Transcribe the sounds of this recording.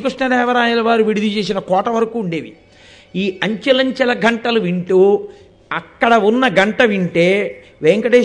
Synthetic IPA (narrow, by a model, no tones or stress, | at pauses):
kɾiʂɳɐɾɛːʋɐɾaːjɐlɐʋaːɾuʋiɽud̪ʱit͡ʃe̞ːs̬inɐkɔːʈɐʋɐɾɐkuːɳɖe̞ːʋḭ | iːɐɲt͡ʃɐlɐɲt͡ʃɐlɐɡɐɳʈɐlɐʋiɳʈuː | ɐkːɐɽɐunːɐɡɐɳʈɐʋiɳʈe̞ː | ʋeːŋkɐʈeː